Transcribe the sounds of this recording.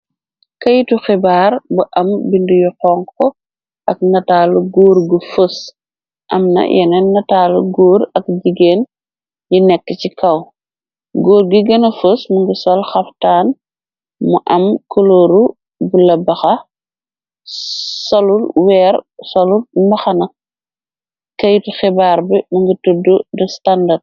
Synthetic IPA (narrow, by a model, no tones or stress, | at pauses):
kɐjtuxibaːɾbuʔɐmbindujuhɔŋkɔ | ʔɐk̚nɐtaːluɡoːɾɡəfəs | ʔɐmnɐ̰jʔɛnɛnɐtaːluɡoːɾɐk̚ɟiɡeːn | junɛkːəcikɐw | ɡoːɾɡiɡɐnɐfəsmuŋɡəsɔlxɐftaːn | muʔɐmkʰɔloːɾu | bulɐbɐxɐ | sɔlulwɛːɾsɔlulmbɐxɐnɐ | kɐjtxɛbaːɾbɛmɐŋɡətududɔstandɐd̚